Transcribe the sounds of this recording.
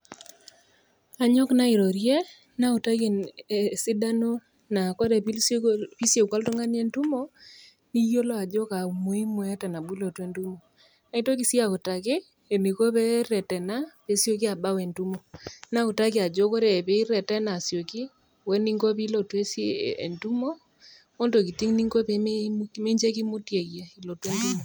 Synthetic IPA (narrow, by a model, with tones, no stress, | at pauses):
a˨ɲɔ˦kna˦i˨ɾo˨ɾje˦ | na˦u˨ta˦ke˨n˨si˦da˦no˦ | na˨ko˦ɾe˨pi˦pi˦sje˨kwa˦lto˦ŋa˦n˦e˦ntu˦mo˦ | ni˦jo˦lo˦a˨d͡ʒo˦ka˨u˨mo˨˦i˦mo˦a˦ta˨na˨bu˦lo˨twe˦ntu˦mo˨ | na˨i˦to˦ki˨si˦a˦˨ku˨ta˨kɪ˦ | e˨ni˨ko˦pɛ˦ɾɛ˨tɛ˨na˦pe˨sjo˦k̬i˦a˨ba˦we˨ntu˦mo˨na˦ku˨ta˦kɪ˦a˨d͡ʒo˦ko˦ɾɛ˨pe˨i˦ɾɛ˨tɛ˦na˨sjo˨ki˦ | wɛ˦ni˦ŋɡo˦pi˦lo˨twe˦sḛ˨ntu˦mo˦ | o˦ndo˨ki˨ti˦ŋni˦ŋɡo˦pe˦e˦ki˦me˦ɲd͡ʒe˦ki˦mu˦tje˨kje˨i˨lo˨te˦ntu˦mo˨